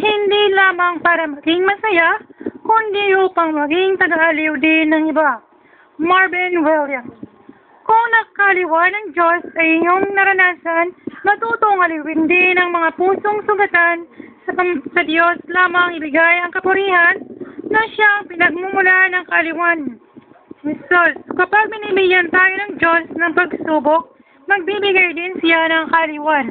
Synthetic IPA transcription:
hɪnd̪ilaːmɐŋpaːɾɐmɐɡɪŋmɐsɐjakʊnd̪ijuːpɐŋmɐɡɪŋt̪ɐɡaʔɐlɪwd̪ɪnɐŋɪba | maɹbɛnwɛljɐm | kʊŋnɐkɐɐlɪwanɐŋd͡ʒo̞sɐʔɪɲoŋnɐɾɐnaːsɐnmɐt̪uːt̪oŋɐlɪwɪnd̪ɪnɐŋmɐŋapuːso̞ŋsʊɡɐt̪ansɐsɐd̪jo̞slaːmɐŋɪbɪɡajɐŋkɐpʊɾiːhɐnːɐʃaŋpɪnɐɡ̚mʊmʊlaʔnɐŋkɐʔɐlɪwan | ɪsoskɐpaɡ̚mɪnimiɡjɐnt̪aːjo̞nɐŋd͡ʒosnɐŋpɐɡsuːbok̚ | mɐɡ̚bibɪɡajd̪ɪnsɪjanɐŋkɐɐlɪwan

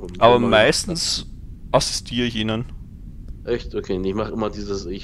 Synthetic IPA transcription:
ʔaːbɐmaɪstn̩sʔasɪ̥stʰiːʁɪçiːnən | ʔɛçtokʰeːnɪçmaχʔɪmɐdiːzəsɪ

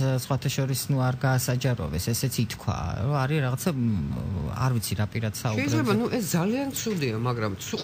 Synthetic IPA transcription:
sχwat̪ʰaʃɔɾisnuaɾɡaːsad͡ʒaɾɔ̰vɛsɛsɛt̪sʰit̪ʰkʰwa̰ɾɔaɾiɾaʁat̪sʰa | a̰ɾvit̪sʰiɾapʼiɾad̪̥sauɛjzɾzlɛɛbanuʔɛsd̪zaliant̪sʰud̪iamaɡɾamt̪sʰuqʼ

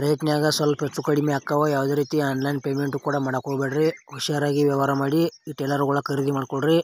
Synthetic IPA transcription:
pɾɐjɐt̪nɐjaːɡɐsɐlɐpeʈsukɐɽimeakːɐʋɐjaːʋɐd̪eːɾiːt̪iaːnlɐjinpeːmeɳʈukuːɽɐmɐɽɐkoɭbeːɽɐɾiɦuʃaːɾaːɡiʋjɐʋaːɾɐmaːɽiiːʈeːlɐɾɡɐɭɐkʰɐɾid̪imaːɽkoɭɾi

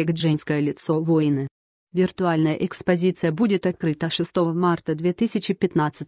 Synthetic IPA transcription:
eɡʐɛnʲskəjəlʲɪt̪sovojnɨ | vʲɪrt̪ʊalʲnəjə̰ʔɛkspɐzʲit̪sɨjəbudʲɪt̪ɐt̪̚kɾɨt̪əʂɨst̪ovəmart̪əd̪vʲet̪ɨsʲɪt͡ɕɪpʲɪt̪nat̪sɨtʲ

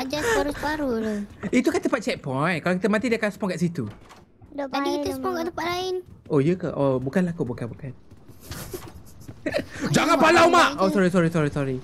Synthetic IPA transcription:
ad͡ʒaspaɾuspaɾuloit̪ukat̪əpat̪̚t͡ʃɛt̪̚pɔjnkalokit̪əmãt̪̬idəkaspɔŋkaʔsit̪u | adikit̪əspɔŋkaʔt̪əpaʔlaɪnʔojəkaʔobukanlakuʔbukanbukan | d͡ʒaŋãnpalawmaʔosɔɾisɔɾisɔɾisɔɾi

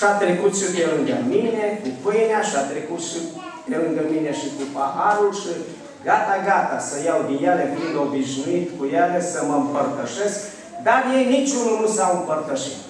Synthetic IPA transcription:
ʃat̪ɾekut̪ʃɨt̪elɨŋɡəminekupɨjneaʃiat̪ɾekut̪ʃi | eluŋɡ̪əmineʃikupahaɾulʃi | ɡat̪aɡat̪asəjawd̪injaleb̪und̪obiʒnuit̪kujalesəməmpərt̪əʃe̞sk | d̪arjenit͡ʃʲununusaɨmpərt̪əʃḭt̪

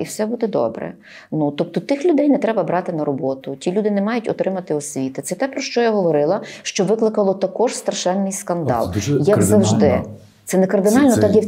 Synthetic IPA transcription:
iwsɛbud̪ɛd̪ɔ̰bɾɛ̰ | nut̪ɔp̚t̪ɔt̪ɪxlʲʊd̪ɛjnɛt̪ɾɛbɐbɾɑt̪ɪnɐɾɔbɔt̪ʊtʲilʲud̪ɪnɛmɑjʊtʲɔ̰t̪ɾɪmɐt̪ɪɔsʲʋʲit̪ɪt̪sɛt̪ɛpɾɔʃt͡ʃɔjaɦɔʋɔɾɪlˠɐʃt͡ʃɔʋɪklˠɪkɐlˠɔt̪ɐkɔʒst̪ɾɐʃɛnːɪjskɐnd̪ɑ̰lˠjjɐkzɐwʒd̪ɪ | t̪sɛnɛkɐrd̪ɪnɑlʲnɔt̪ɑkji

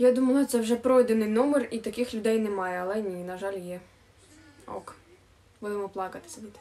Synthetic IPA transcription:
jad̪umɐlˠɐt̪sɛwʒɛpɾɔjd̪enɪjnɔmerit̪ɐkɪxlʲʊd̪ɛjnɛmɑjɛɐlˠɛnʲinɐʒɑlʲjɛ | ɔ̰k | bud̪ɪmɔplˠɑkɐt̪ɪ̥sʲɐd̪ʲit̪

